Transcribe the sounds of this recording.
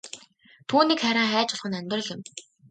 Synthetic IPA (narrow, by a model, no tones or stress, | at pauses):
t̪ʰuːniːkχæɾʲaːχæːt͡ɕʊ̆ɮ̥χə̆nœmʲt̪rə̆ɮɪ̆m